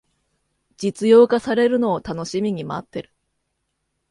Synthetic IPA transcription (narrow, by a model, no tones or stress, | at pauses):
d͡ʑit͡sɨjo̞ːkasaɾe̞ɾɯ̟no̞ːt̪ano̞ɕimʲiɲ̟imaːt̪ːe̞ɾɯ̟̥